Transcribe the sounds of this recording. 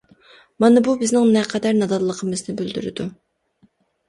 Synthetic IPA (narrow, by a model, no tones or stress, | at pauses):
mɑnɑbubɪznɪŋnɛqʰɛd̪ɛɾnɑd̪ɑd̪lˠəqʰəmɨznɨbyld̪y̰ɾɪ̰d̪u